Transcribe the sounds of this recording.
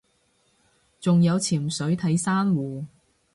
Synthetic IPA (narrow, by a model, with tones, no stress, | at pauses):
t͡sʊ˨ŋjɐ˨˧wt͡sʰiː˨˩msɵ˨˥ɥt̪ʰɐ˨˥jsaː˥nwuː˨˩